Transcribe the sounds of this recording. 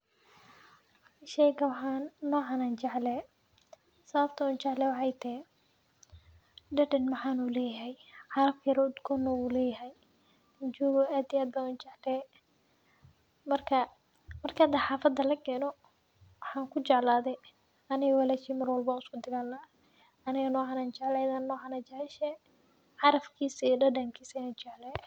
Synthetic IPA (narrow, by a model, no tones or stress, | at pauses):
ʃɛjɡɐwħannɔːʕɑːnaːnt͡ʃɐʕlɛː | sɐβɐb̚t̪ʰɐʊːnt͡ʃɑʕlɛwɑħɑjt̪ʰɛ | ɖɐɖɛnmɑħɑːnuːlɛːjɐɦɛjħɑɾɐfkʰɐjɾɔʊd̪kʰɔːnːɔuːlɛːjɐɦɛj | t͡ʃɔːɣɔʔaːd̪ijaːd̪̚bɐuːnt͡ʃɛʕlɛː | mɐrkʰɐ | mɐrkʰɐɐd̪ɐħɑːfɐd̪ːɐlɐkʰɛːnɔ | wɑħɑːŋkʰʊt͡ʃɛʕlaːðɛj | ɐnɪɣɔwalɛːʃiːmɐrwɐlbaːʊskʊd̪ɪɣaːlnaː | ɐnɪɣɐnɔːʕɑːnaːnt͡ʃɛʕlɛɐðaːnːɔːʕɑnaːt͡ʃɛʕɛʃɛ | ʕɑɾɐfkʰiːsijɖɐɖɐmkʰiːsɐɪnaːt͡ʃɛʕlɛ